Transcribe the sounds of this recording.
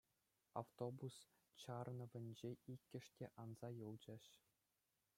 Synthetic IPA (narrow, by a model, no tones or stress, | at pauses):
a̰ft̪obus | t͡ɕɑrnɤ̆ʋʲɘ̆nʲd͡ʑeikʲːɘ̆ʂtʲeʔɑnzɑjɤlˠd͡ʑɑ̆ɕ